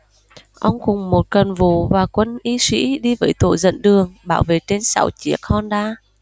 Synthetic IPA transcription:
ʔə˧wŋ͡mkʊ˨˩ŋ͡mmo˨˩t̚kə˨˩nvṵ˧˨vaː˨˩kwə˧nʔi˧swḭ˧˥ɗi˧vəː˨˦jt̪o̰˧˨jzə̰˧˨nɗɨ˨˩əŋɓaː˧˦wvḛ˨t͡ɕe˧nsa̰˧˦wt͡ɕi˨˦ək̚hɔ˧nɗaː˧

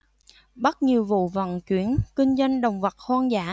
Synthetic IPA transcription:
ɓə˦˥t̚ɲi˨˩əwvṵ˧˨və̰˧˨nt͡ɕwi˧˥ənkï˧ŋ̟zwa˧jŋ̟ɗə˨˩wŋ͡mvə˨˩t̚haː˧nzaː˧˦˥

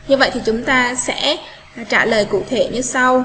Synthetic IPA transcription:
ɲɨ˧və̰˧˨jt̪ʰi˨˩t͡ɕʊ˨˦ŋ͡mt̪aː˧sɛ̰˧˥˨ | t͡ɕaː˧˩ləː˨˩jkṵ˧˨t̪ʰe˧˩ɲɨ˧sa˧w

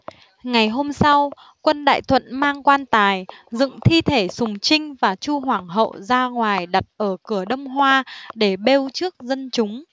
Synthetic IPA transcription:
ŋa˨˩jɦo˧msa˧w | kwə˧nɗa̰ː˧˨jt̪ʰwə̰˧˨nmaː˧ŋkwaː˧nt̪aː˨˩jzɨ̰˧˨ŋt̪ʰi˧t̪ʰe˧˩sʊ˨˩ŋ͡mt͡ɕï˧ŋ̟vaː˨˩t͡ɕu˧ɦwaː˧˩ŋɦə̰˧˨wzaː˧ŋwaː˨˩jɗa˨˩t̚ʔəː˧˩kɨ˧˩əɗə˧wŋ͡mɦwaː˧ɗe˧˩ɓe˧wt͡ɕɨ˦˥ək̚zə˧nt͡ɕʊ˨˦ŋ͡m

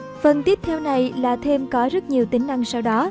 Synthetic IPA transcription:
fə˨˩nt̪i˦˥əp̚t̪ʰɛ˧wna˨˩jlaː˨˩t̪ʰe˧mkɔ˨˦zə˦˥t̚ɲi˨˩əwt̪ï˨˦ŋ̟na˧ŋsa˧wɗɔ˨˦

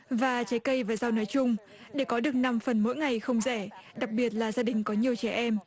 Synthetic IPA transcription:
vaː˨˩t͡ɕa˨˦jkə˧jvaː˨˩zaː˧wnɔ˨˦jt͡ɕʊ˧ŋ͡m | ɗe˧˩kɔ˨˦ɗɨ˨˩ək̚na˧mfə˨˩nmo̰˧˥jŋa˨˩jxə˧wŋ͡mzɛ˧˩ɗa˨˩k̚ɓi˨˩ət̚laː˨˩zaː˧ɗï˨˩ŋ̟kɔ˨˦ɲi˨˩əwt͡ɕɛ˧˩ʔɛ˧m

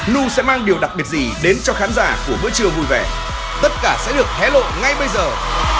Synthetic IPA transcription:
nu˧sɛ̰˧˥maː˧ŋɗi˨˩əwɗa˨˩k̚ɓi˨˩ət̚zi˨˩ɗe˨˦nt͡ɕɔ˧xaː˨˦nzaː˧˩ku˧˩əmɨ̰˧˥ət͡ɕɨ˧˩əwvu˧˩jvɛ˧˩ | t̪ə˦˥t̚kaː˧˩sɛ̰˧˥ɗɨ˨˩ək̚t̪ʰɛ˨˦lo̰˧˨ŋa˧jɓə˧jzəː˨˩

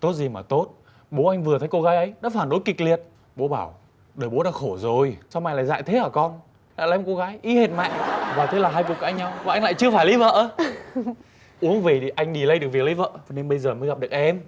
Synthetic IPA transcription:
t̪o˦˥t̚zi˨˩maː˨˩t̪o˦˥t̚ | ɓo˨˦ʔa˧jŋ̟vɨ˨˩ət̪ʰə˨˦jko˧ɣaː˨˦jʔə˨˦jɗa̰ː˧˥faː˧˩nɗo˨˦jki˨˩k̟̚li˨˩ət̚ | ɓo˨˦ɓaː˧˩w | ɗəː˨˩jɓo˨˦ɗaː˧˥xo˧˩zo˨˩jsa˧wʔa˧jŋla̰ː˧˨jza̰ː˧˨jt̪ʰe˨˦ʔəː˧˩kɔ˧n | la̰ː˧˨jaː˨˦m˨˩ko˧ɣaː˨˦jʔi˨˦he˨˩t̚ma̰ː˧˨ŋvaː˨˩t̪ʰe˨˦laː˨˩ɦaː˧jku˨˩kaː˧˩ɲa˧wvaː˨˩ʔa˧jŋ̟la̰ː˧˨jt͡ɕɨ˧əfaː˧˩jli˨˦və̰ː˧˨ʔ | ʔu˨˦əŋvi˨˩ɗi˨˩ʔa˧jŋ̟ɗi˨˩lə˨˧˦jɗk̚vi˨˩k̚lə˨˦jvə̰ː˧˨a˨˩ne˧nɓə˧jzəː˨˩məː˨˦jɣa˨˩p̚ɗək̚ʔɛ˧m

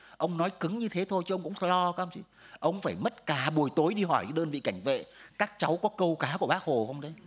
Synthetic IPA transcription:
ʔə˧wŋ͡mnɔ˨˦jkɨ˨˦ŋɲɨ˧t̪ʰe˨˦t̪ʰo˧jɨ˨˦ʔə˧wŋ͡mkʊ̰˧˥ŋ͡mlɔ˧ka˧˦ə˧ŋ͡mt͡ɕḭ˧˦ʔə˧wŋ͡mfaː˧˩jmə˦˥t̚kaː˨˩ɓu˨˩əjt̪o˨˦jɗi˧ɦɔ˧˩jkːɗəː˧nvḭ˧˨ka˧˩jŋ̟vḛ˧˨kaː˦˥k̚t͡ɕa˨˦wkɔ˨˦kə˧wkaː˨˦ku˧˩əɓaː˦˥k̚ho˨˩xə˧wŋ͡mɗə˨˦j

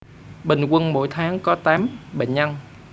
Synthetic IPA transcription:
ɓï˨˩ŋ̟kwə˧nmo̰˧˥˦jt̪ʰaː˨˦ŋkɔ˨˦t̪aː˨˦mɓə̰˧˨ŋ̟ʔa˧ŋ

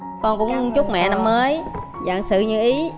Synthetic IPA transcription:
kɔ˧nkʊ̰˧˥ŋ͡mt͡ɕʊ˦˥k͡p̚mɛ̰˧˨na˧mːəː˨˦j | za̰˧˨ŋsɨ̰˧˨ɲɨ˧ʔi˨˦

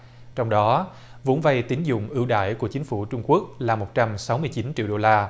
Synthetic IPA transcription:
t͡ɕɔ˧wŋ͡mɗɔ˨˦ | vo˨˦nva˧jt̪ï˨˦ŋzʊ̰˧˨ŋ͡mʔɨ˧˩wɗa̰ː˧˨jku˧˩ət͡ɕï˨˦ŋ̟fu˧˩t͡ɕʊ˧ŋ͡mku˦˥ək̚laː˨˩mo˨˩t̚t͡ɕa˧msa˨˦wmɨ˧əjt͡ɕi˨˦nt͡ɕḭ˧˨wɗo˧laː˧

